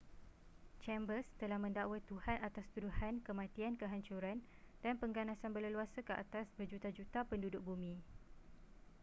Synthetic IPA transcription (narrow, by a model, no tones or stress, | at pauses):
t͡ʃɛmbəst̪əlahmə̃ndaʔwət̪uhanat̪ast̪uduhankəmãt̪iankəɦaɲt͡ʃuɾand̥anpəŋɡanãsanbələluasakəʔa̰t̪asbəd͡ʒut̪ad͡ʒut̪apəndudʊk̚bumĩ